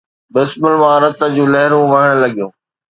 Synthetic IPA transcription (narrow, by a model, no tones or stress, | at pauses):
bɪsməlmãɾɐt̪əd͡ʑũːlɐɦɪɾũʋɐɦɪɽ̃lɐɠijũː